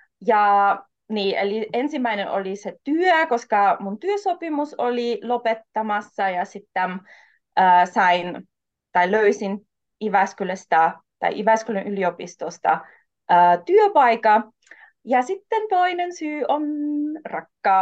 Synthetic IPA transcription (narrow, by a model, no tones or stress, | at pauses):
jɑ | niːʔeliʔensimːæinenʔo̰liset̪yøkoskɑmunt̪yøsopimusolilopet̪ːɑmɑsːɑjɑsit̪ːæm | əːsɑin | t̪ɑiløysin | iʋæskylest̪ɑ | t̪ɑ̰iʔiʋæskylønʔyliopist̪ost̪ɑ̰ | ʔəːt̪yøpɑikɑ | jɑsit̪ːent̪oinensyːonrɑkːɑː